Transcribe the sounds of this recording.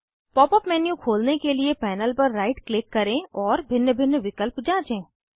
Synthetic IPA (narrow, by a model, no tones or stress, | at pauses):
pɔːpɔpmɛːnjũkʰoːlnekeliepɛːnəlpɐɾːaːɪʈklɪkːɐɾẽːɔːɾbʱɪnjəbʱɪnːəʋɪkəlpd͡ʒãːt͡ʃẽː